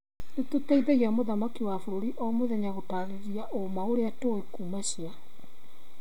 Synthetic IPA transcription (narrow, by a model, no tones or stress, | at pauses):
netotaiðeɣiamoðamakiwafoɾoɾiʔɔmoðɛɲaɣotaɣeɾiaʔomaoɾeatoekumaɕja